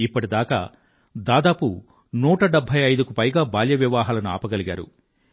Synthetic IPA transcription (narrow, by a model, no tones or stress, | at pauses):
ipːɐʈid̪aːkɐ̰ | d̪aːd̪aːpu | nuːʈɐɖɛbʱːɐjɐjd̪ukupɐjɡaːbaːljɐʋjɐʋaːɦaːlɐnua̰ːpɐɡɐliɡa̰ːɾṵ